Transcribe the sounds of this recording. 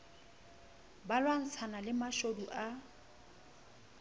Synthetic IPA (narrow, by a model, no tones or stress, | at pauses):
balwan̩t͡sʰanalɪmaʃoduʔa